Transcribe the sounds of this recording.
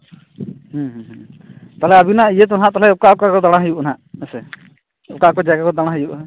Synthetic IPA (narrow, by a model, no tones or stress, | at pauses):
ɦũɦɦt̪alɛabinaijɛt̪̬ɔnɦãʔt̪alɛukaɔkakɔd̪aɽ̃aɦjuʔɔn̤ãʔɛsɛ | ʊkakɔd͡ʒaɡakɔd̪aɽ̃aɦəjuʔ